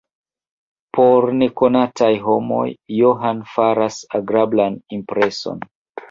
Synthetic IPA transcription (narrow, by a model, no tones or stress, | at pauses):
pʰoɾne̞ko̞natʰajɦo̞mo̞̰jːoɦanfaɾasaɡɾablanimpɾe̞so̞̰n